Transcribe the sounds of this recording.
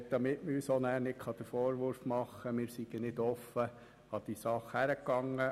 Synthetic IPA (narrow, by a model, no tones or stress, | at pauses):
d̥̪ɑmɪtməyːsɔnæːɾnɪkχɑd̪əfɔːɾʋʊɾfmɑχːəmɪːɾsiɡ̥ənɪd̪ɔfːə | ɑd̪̥isɑχhæɾəkːɑŋːə